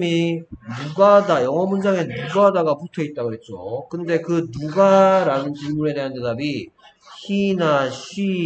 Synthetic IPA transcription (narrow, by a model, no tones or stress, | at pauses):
minuɡadajʌŋʌmund͡ʑaŋe̞nuɡadaɡaputʰʌit̚t͈aɡoɦe̞t̚t͡ɕ͈okɯnde̞kɯnuɡaɾanɯnt͡ɕinmuɾe̞de̞ɦante̞dabi | ɕinaɕʰi